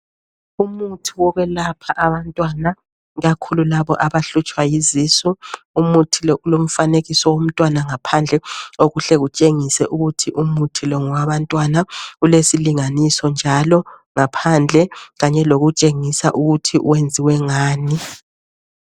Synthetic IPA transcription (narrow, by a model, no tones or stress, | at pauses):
umutʰiwɔɣwɛlapʰaʔaβantʼwana | ɣakʰululaβɔʔaβaɬut͡ʃʼwajizisu | umutʰilɔlom̩faneɣisɔwom̩tʼwanaŋapʰand͡ɮʱɛoɣuɬɛɣut͡ʃʼeŋisɛʔuɣutʰiʔumutʰilɔŋɔwaβantʼwanaulesiliŋanisɔnd͡ʒʱalɔ | ŋapʰand͡ɮʱɛɣaɲɛloɣut͡ʃʼeŋisaʔuɣutʰiʔṵwend͡zʱiwɛŋaːni